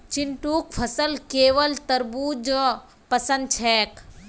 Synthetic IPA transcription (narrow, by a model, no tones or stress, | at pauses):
t͡ʃiɳʈuːkpʰɐsəlkeːʋəlt̪ɐɾbuːd͡ʒə | pɐsɐ̃nd̪̚t͡ʃʰɛːk